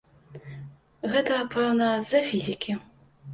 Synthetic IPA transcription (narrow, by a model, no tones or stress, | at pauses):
ɣɛt̪ɐpɛwnɐzɐfʲizʲikʲi